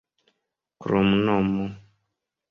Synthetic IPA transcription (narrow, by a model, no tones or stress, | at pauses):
kɾomnɔmɔ